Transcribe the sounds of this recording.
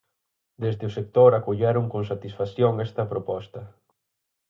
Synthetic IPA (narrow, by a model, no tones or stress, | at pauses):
d̪ezd̪eʊsek̚t̪oɾakoʎɛɾʊŋkoŋsat̪isfaθjoŋɛst̪ɐpɾopɔst̪ɐ